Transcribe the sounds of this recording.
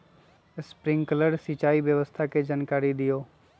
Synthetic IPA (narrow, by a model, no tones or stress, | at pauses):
spɾɪ̃ŋɡkələɖsɪt͡ʃaːiʋjəʋəst̪ʰaked͡ʒaːnkaːɾid̪ɪjoː